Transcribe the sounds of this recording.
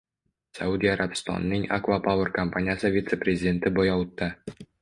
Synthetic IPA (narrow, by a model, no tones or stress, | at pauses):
sa̰ud̪ʲiaɾʔabst̪ɒ̰nːiŋa̰kvapawərkɐmpanʲɪjasəvʲit̪seprʲezʲɪdʲent̪ɘbɒjɒwt̪ːə